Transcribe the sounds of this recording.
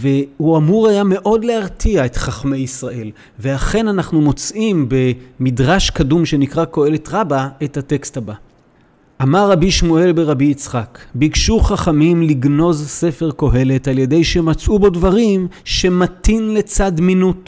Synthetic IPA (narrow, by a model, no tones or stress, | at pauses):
ve̞huamuʁajame̞ʔo̞dle̞aʁtʰiae̞tχaχme̞jisʁaʔe̞l | ve̞aχe̞nanaχnumo̞t͡sʔimbe̞midʁaʃkadumʃe̞nikʁako̞e̞le̞tʁabae̞thate̞ksthaba | ʔamaʁːabiʃmue̞lbe̞ʁabiːt͡sχakbikʃuχaχamimliɡno̞zse̞fe̞ʁko̞ɦe̞le̞talje̞de̞jʃemat͡sʔubo̞dvaʁim | ʃe̞matinle̞t͡sadminut